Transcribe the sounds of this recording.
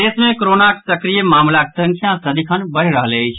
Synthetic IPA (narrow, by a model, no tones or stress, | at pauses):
esmẽkoɾonake̥səkɾijemamlakesə̃ŋkʰjãsəd̪ikʰənbəɽɾəɦələjt͡ʃʰ